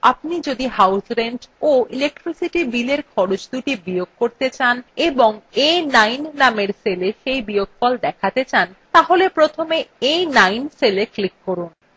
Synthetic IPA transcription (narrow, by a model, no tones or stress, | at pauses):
ap̚nid͡ʑod̪iɦawsɾeɳɖoilek̚ʈɾisiʈibileɾkʰɔɾot͡ɕd̪uʈibijoɡ̚koɾt̪et͡ɕaneboŋejnajnːameɾseleʃejbijoɡfɔld̪ɛkʰat̪et͡ɕant̪aɦolepɾot̪ʰomeejnajnseleklikːɔɾun